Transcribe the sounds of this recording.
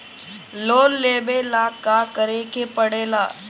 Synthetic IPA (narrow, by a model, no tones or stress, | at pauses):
loːlleːbelaːkːakəɾeːkepəɽeːlaː